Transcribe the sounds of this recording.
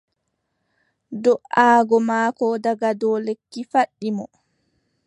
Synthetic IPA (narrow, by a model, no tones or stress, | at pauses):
dɔʔaːɡɔmaːkɔdaɡadɔːlekːifaɗːimɔ